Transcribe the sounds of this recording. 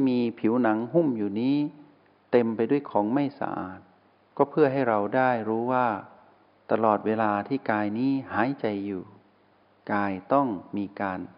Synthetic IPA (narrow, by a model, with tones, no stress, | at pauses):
miː˧pʰi˩˦wna˩˦ŋɦu˥˩mjuː˨˩niː˦˥ | t̪e˧mpa˧jdu˥˩jkʰɔː˩˦ŋma˥˩jsa̰˧ʔa̰ː˨˩t̪̚ | kɔː˥˩pʰɯ˥˩əɦa˥˩jɾa˧wdaː˥˩jɾuː˦˥waː˥˩ | t̪a˧lɔː˨˩t̪̚weː˧laː˧t̪ʰiː˥˩kaː˧jniː˦˥haː˩˦jt͡ɕa˧jːuː˨˩ | kaː˧jt̪ɔ˥˩ŋmiː˧kaː˧n